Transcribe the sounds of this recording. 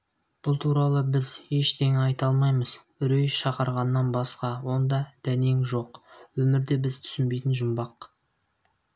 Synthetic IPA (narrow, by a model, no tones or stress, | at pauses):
b̥ʊlˠt̪ʰuɾɑlˠəbɪzje̞ʃt̪ʰeŋɑjt̪ɑlˠmɑjməz̥ | ʏɾejʃɑqəɾʁɑnːɑnbɑsqɑwo̞nd̪ɑd̪̥æne̞ŋʒo̞qwɵmɪɾd̪e̞bɪzt̪ʰʏ̥sɪnbe̞jt̪ɪnʒʊmbɑq